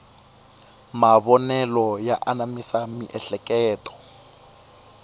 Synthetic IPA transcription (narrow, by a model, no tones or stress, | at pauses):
maβɔnɛlɔjaʔanamisamiʔɛɬɛkʼɛːtʼɔ̥